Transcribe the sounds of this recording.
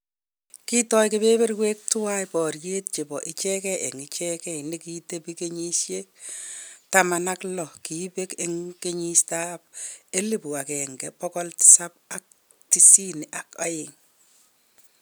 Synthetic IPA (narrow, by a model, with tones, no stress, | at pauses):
ki˦tɔ˦jkebe˦be˦rwe˦k̚tʊ˦wa˦jpɔ˨rje˦t̚t͡ʃe˨bɔ˨ʔɪ˦t͡ʃɛ˦kɛ˦e˨ŋɪ˨t͡ʃɛ˦kɛ˦˨ni˦ki˦te˦pi˦ke˦ɲi˦ʃje˦k̚ | tama˨na˦klɔ˨ki˨˦be˦ke˦ŋke˦ɲi˦sta˦p̚e˦li˦pu˨a˨kɛ˨ŋɡɛ˨pɔkɔ˦ltɪ̥˨sa˦p̚a˨k̚ | ti˦si˦ni˨ʔa˨ka˦jɪ˨ŋ